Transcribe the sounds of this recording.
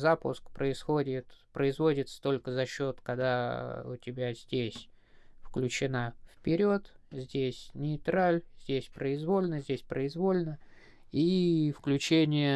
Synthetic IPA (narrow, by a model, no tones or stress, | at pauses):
zapʊ̰skpɾəɪsxo̞dʲɪt̪pɾəɪzvo̞dʲɪt̪st̪o̞lʲkəzɐɕːo̞t̪kɐɡd̪aʊ̰tʲɪbʲæzʲdʲesʲ | fklʲʉt͡ɕɪnafpʲɪɾʲo̞t̪zʲdʲesʲnʲɪɪt̪ɾalʲzʲdʲesʲpɾəɪzvo̞lʲnəzʲdʲesʲpɾəɪzvo̞lʲnə | ifklʲʉt͡ɕenʲɪjə